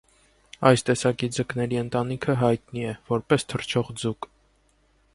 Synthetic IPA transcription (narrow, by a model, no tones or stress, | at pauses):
ɑjst̪ɛsɑkid͡zəknɛɾiənt̪ɑnikʰəɦɑjt̪niɛvɔɾpɛst̪ʰərt͡ʃʰɔʁd͡zuk